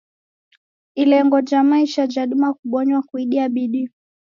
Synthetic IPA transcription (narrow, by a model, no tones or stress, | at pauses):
ilɛŋɡɔd͡ʒamaiʃad͡ʒaɗumakuɓɔɲwakwiɗiaɓiɗi